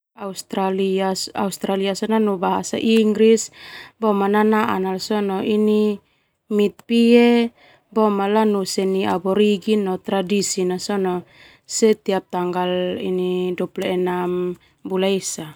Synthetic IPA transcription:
aust̪ɾaliasa̰ust̪ɾaliasɔnanubaɦasa̰ʔiŋɡɾisbɔmananaʔa̰nalsɔnɔʔini | mit̪̚pie | bɔmalanusɛniabɔɾiɡinɔt̪ɾadisinasɔnɔ | sɛt̪iap̚t̪aŋɡalḭnidɔplɔɛnam | bulajsa

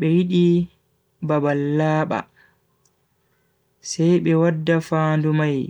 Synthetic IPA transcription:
ɓɛwiɗi | babalːaːɓa̰ | sajɓɛwadːafaːndumaj

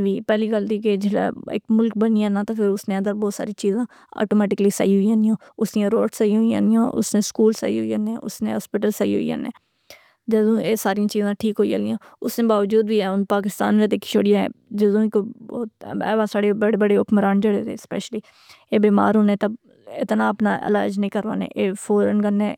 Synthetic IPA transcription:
ʋiːpɛːliːkəld̪iːked͡ʒɪla̰ɪ̰kmʊlk̚bənijanãːt̪aːpʰɪɾʊsneːə̃nd̪əɾbɔːt̪sa̰ːɾiːt͡ʃiːzãː | ɔ̰ːʈoːmɛːʈɪkəliːsə̰iɦʊiãːnijãː | ʊsniãːɾoːʈsəiɦʊiã̰nijã̰ːʔʊ̰snẽːskuːlsə̰ḭːɦoiəneːʔʊ̰snḛːɦɔːspɪʈəlsəḭːɦo̰ḭã̰ːnḛː | d͡ʒəzõːeːsaːɾijãːt͡ʃiːzãːʈʰiːkɦoia̰ːlijãːʊsnẽːbaːʋəd͡ʒuːd̪bʱiɛːʊnpaːk̬ɪst̪a̰ːnʋeːt̪eːkʰɪ̥t͡ʃʰo̰ːɽɪjãɛ̰̃d͡ʒəzũːkobɔːɛ̰ːʋãːsaːɽebəɽebəɽeːʊkmɾaːnd͡ʒəɽeot̪ḛːspɛ̰ːʃəliː | eːbiːma̰ːɾɦoːnẽːt̪əb | ɪt̪naːəpnaːʔə̰la̰ːd͡ʒnĩːkəɾʋa̰ːnḛ̃ʔeːfʰoːɾənɡəneː

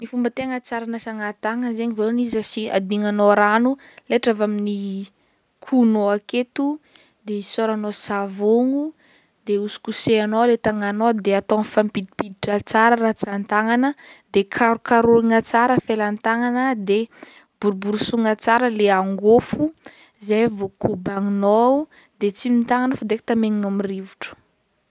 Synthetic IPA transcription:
nifumbət̪eŋət͡saɾanasaŋat̪aŋənzeɲivalonizasia̰d̪iŋanoɾanu | leʈ͡ʂavamini | kʰunoaket̪u | d̪eisoɾanosavoŋu | d̪eusu̥kuseanolet̪aŋanod̪eat̪onfampid̪ipid̪iʈ͡ʂət͡saɾəɾat͡sant̪aŋanəd̪ekʰaɾukaɾuɾiŋət͡saɾəfelant̪aŋanəd̪e | b̥uɾubuɾusuŋət͡saɾəleaŋɡofu | zajvokʰubaŋino | d̪et͡simint̪aŋanəfad̪eki̥t̪ameŋinomirivuʈ͡ʂə̥

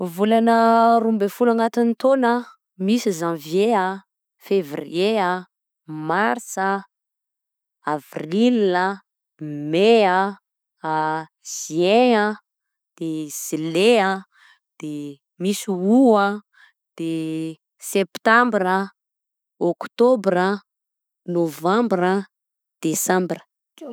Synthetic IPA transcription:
vulanəɾumbefulaŋat̪int̪onə | misizãvjea | fevriea | maɾsa | avrila | mea | z̥iea | d̪̥ez̥ileə | d̪̥e | misiuə | d̪̥e | sept̪ãmbrə | okt̪obɾə | novãmbɾə | d̪̥esãmbrə

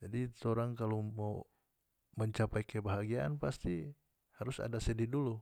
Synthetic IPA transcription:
d͡ʒadit̪ɔɾaŋkalomau | məɲt͡ʃapɛjkɛbaɦaɡiaʔanpast̪i | haɾusa̰dasɛdidulu

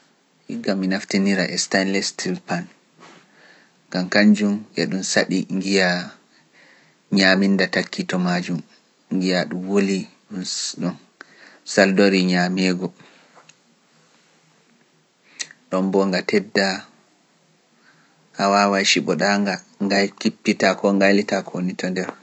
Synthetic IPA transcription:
hḭɡːamːinaftiniɾaʔɛstanlɛstʰilpan | ɡamkaɲd͡ʒumʔɛ̰ɗumsaɗiŋɡija | ɲamindatakʰːitɔmad͡ʒum | ŋɡijaɗumwoli | ɗunɗɔn | saldoɾiɲamɛːɡɔ | ɗɔmbɔŋɡatɛdːa | hawawaʃiɓɔɗaŋɡa | ŋɡajkipːitakɔŋɡajlitakʰonitɔndɛɾ

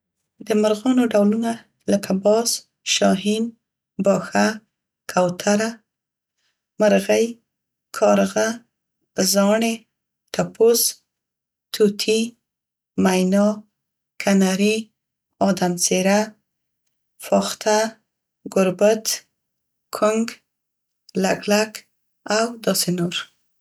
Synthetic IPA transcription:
d̪əmaɾɣɑnoɖawluna | ləkʰabɑs | ʃɑɦin | bɑxa | kʰawt̪ʰaɾa | maɾɣəj | kʰɑɾɣa | zɑɳe | t̪apos | t̪ʰut̪ʰi | majnɑ | kʰanaɾi | ɑd̪amseɾa | fɑxt̪ʰa | ɡʊɾbət̪ | kʰʊŋɡ | laɡlak | awd̪ɑsenoɾ

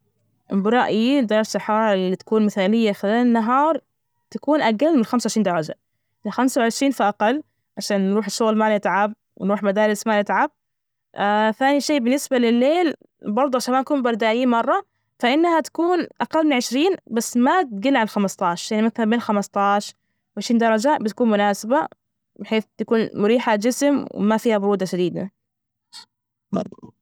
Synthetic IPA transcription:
bɾˤɑʔjid̪ɑːɾsˤɑħɑːɾˤɪlit̪ḁkuːnmɪθaːlɪjːaxɪlaːlɪnːaɦɑːɾˤ | t̪akuːnʔaɡalːmɪnxamsawʕɪʃɾiːnd̪ɑɾˤɑd͡ʒa̰ | ɪxamsawʕɪʃɾiːnfiʔaqɑlː | ʕaʃaːnːɾuːħɪʃːʊɣlmalɪt̪ʕab̚ | wɪnɾuːħmad̪aːɾɪsmaːlɪt̪ʕab̚ | ʔaθaːniʃeːbɪnːɪsbalɪlːeːl | bɑɾˤd̪ˤuʔʕaʃaːnmaʔkuːmbɑɾˤd̪aːʔiːmɑrˤːɑ | faʔɪnːhat̪ḁkuːnʔaqɑlːmɪnʕɪʃɾiːnbasːmat̪̚ɡɪlːʕalxamɑst̪ˤɑːʃˤɾjaʕnimakθabeːnxamɑst̪ˤɑːʃ | wʕɪʃɾiːnd̪ɑɾˤɑd͡ʒabɪt̪ḁkuːnmʊnaːsɪba | bɪħeːθt̪akuːnmʊɾiːħad͡ʒɪsɪmwɪ̰mafiːhabʊɾuːd̪aʃad̪iːd̪a̰

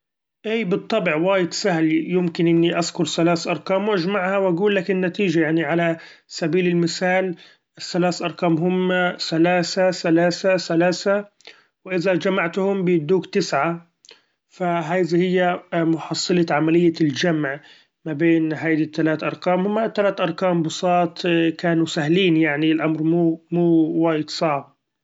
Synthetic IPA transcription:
ʔiːbɨt̪ˤːɑbʕwaːjɪd̪sahlijɪmkɪnʔɪnːiʔazkʊɾsalaːsʔɑɾˤqɑːmwʔad͡ʒmaʕhawʔaɡuːlːakɪnːat̪iːd͡ʒajaʕniʕala | sabiːlɪlmɪsaːl | ɪsːalaːsʔɑɾˤqɑːmɦʊmːasalaːsasalaːsasalaːsa | wɪʔɪðad͡ʒamaʕt̪hʊmbɪjɪd̪uːkt̪ɪsʕa | faɦaːd̪ihɪjːamʊħɑsˤːɨlɑʕamalɪjːald͡ʒamʕ | mabeːnɦajd̪it̪ːalaːt̪ʔɑɾˤqaːmhʊmːat̪ːalaːt̪ʔɑɾˤqɑːmbʊsˤɑːt̪ˤkaːnusahliːnjaʕnilʔamɾmuːmuːwaːjɪd̪sˤɑʕb̚

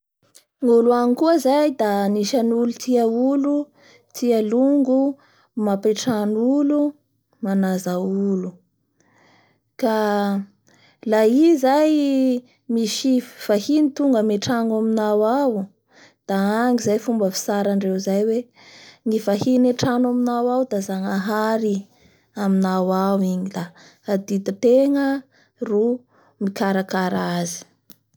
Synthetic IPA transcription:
ŋuluanikuəzajd̪aniʃanulut̪ʰiaulu | t̪ʰialuŋɡu | mapeʈ͡ʂanulu | manazaulu | ka | laizaj | miʃiv̥ahinit̪uŋɡəmeʈ͡ʂanaminawaw | d̪̥aaŋizajfumbəfi̥saɾaɳɖ͡ʐewzajwe | ŋifahineʈ͡ʂanaminawawd̪azaŋaɦaɾi | aminawawiɲilaad̪id̪it̪eŋə | ru | mikaɾakaɾazi̥

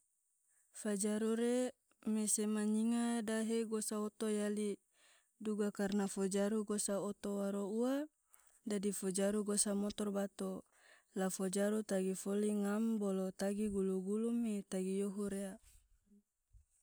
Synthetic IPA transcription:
fad͡ʒaɾuɾe | mesemaɲiŋadaɦeɡosaot̪ojali | duɡakarnafod͡ʒaɾuɡosaot̪owaɾoua | dadifod͡ʒaɾuɡosamot̪ɔrbat̪o | lafod͡ʒaɾut̪aɡifoliŋambolot̪aɡiɡuluɡulumːet̪aɡijoɦuɾea

